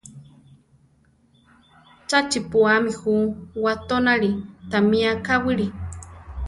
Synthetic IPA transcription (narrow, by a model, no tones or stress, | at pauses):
t͡ʃat͡ʃipuamixuwat̪onaɺit̪amĩakawɨɾi